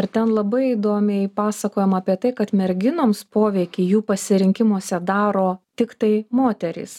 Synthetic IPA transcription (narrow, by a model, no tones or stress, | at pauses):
ɐɾt̪ʲɛnlˠɐbɐɪid̪oːmʲɛɪpɑːsɐkoːjɛmɑːpʲiɛt̪ɐɪkɐt̪mʲɛɾʲɡʲɪnoːmspoːʋʲɛɪkʲɪːjuːpɐsʲɪɾʲɪŋʲkʲɪmuɔsʲɛd̪ɑːɾoːt̪ʲɪkt̪ɐɪmoːt̪ʲɛɾʲɪ̰ːs